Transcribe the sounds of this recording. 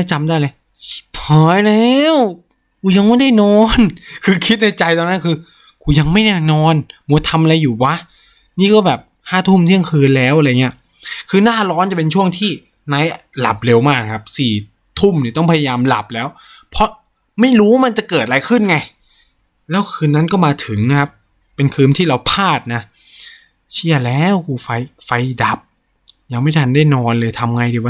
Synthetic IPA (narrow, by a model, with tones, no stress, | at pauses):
a˥˩t͡ɕa˧mdaː˥˩jlaː˧j | pʰɔː˨˦jlɛː˧˦˥w | kʰuː˧˩ja˧ŋma˥˩jda˥˩jnɔː˧˥nkʰɯː˧kʰi˦˥t̪̚na˧˥˩jt͡ɕa˧jt̪ɔː˧nːa˦˥nkʰɯː˧ | kʰuː˧ja˧ŋma˥˩jna˥˩nɔː˧˥nmu˨˩˦t̪ʰa˧mʔa˧la˧jːuː˨˩wa˦˥ | niː˥˩kɔː˥˩bɛː˨˩p̚haː˥˩t̪ʰu˥˩mt̪ʰiː˥˩ja˧kʰɯː˧nlɛː˦˥wa˨˧˨ŋi˦˥ɐ | kʰɯː˧naː˥˩lɔː˦˥nt͡ɕa˨˩pe˧nt͡ɕʰu˥˩əŋt̪ʰiː˥˩ | na˦˥jla̰˨˩p̚le˧wmaː˥˩k̚a˨kʰa˦˥p̚siː˨˩ | t̪ʰu˥˩mni˨˩t̪ɔ˥˩ŋpʰa˧ja˧jaː˧mla̰˨˩p̚lɛː˦˥wpʰɔ˦˥ | ma˥˩jɾuː˦˥wa˥˩ma˧nt͡ɕa˨˩kɤː˨˩t̪̚ɾla˧˥jkʰɯ˥˩nŋa˧j | lɛː˦˥wkʰɯː˧nːa˦˥nkɔː˥˩maː˧t̪ʰɯ˩˦ŋna˦˥kʰa˦˥p̚ː | e˧nkʰɯː˧nt̪ʰiː˥˩ɾa˧wpʰaː˥˩t̪̚na˦˥ | t͡ɕʰi˥˩ɐlɛː˦˥wkuː˧˩fa˧jfa˧jda˨˩p̚ | ja˧ŋma˥˩jt̪ʰa˧ndaː˥˩jnɔː˧nlɤː˧jt̪ʰa˧mŋa˧jdiː˧˨˩wa˦˥